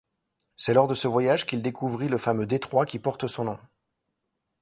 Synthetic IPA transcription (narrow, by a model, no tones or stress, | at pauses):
sɛlɔʁd̪əsəvwajaʒkʲild̪ekuvʁiləfamød̪et̪χwakʲipɔʁt̪sɔ̃nɔ̃